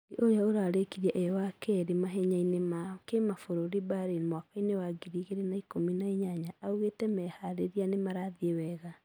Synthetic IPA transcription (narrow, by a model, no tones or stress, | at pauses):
iʔoɾeaoɾaːɾekiɾiaʔɛɔwakɛɾemaɦɛɲainemakemafoɾoɾibaɾenmwakainewaɡiɾiɣeɾenaikominaiɲaɲaauɣetɛmɛhaɾeɾianemaɾaðiewɛɣa